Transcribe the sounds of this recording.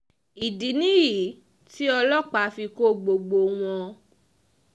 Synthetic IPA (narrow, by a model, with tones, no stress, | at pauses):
i˨di˨nĩ˦ji˨ | ti˦ɔ˧lɔ˦˨k͡pa˧˦fi˧ko˦ɡ͡bo˧ɡ͡bo˧w̃ɔ̃˧